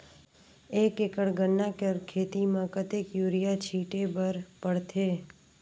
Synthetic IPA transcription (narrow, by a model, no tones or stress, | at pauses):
eːkekəɽɡənːakeɾkʰeːt̪imãkət̪eːkjuːɾijat͡ʃʰiːʈebəɾpəɽt̪ʰeː